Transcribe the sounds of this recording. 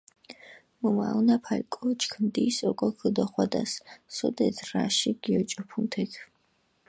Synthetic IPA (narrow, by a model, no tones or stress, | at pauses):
muma̰unapʰalkʼɔt͡ʃʰkʰnd̪iːsɔkɔkʰəd̪ɔχwad̪asːɔd̪ɛd̪ɾaʃiɡ̥iɔt͡ʃʼɔpʰumt̪ʰɛkʰ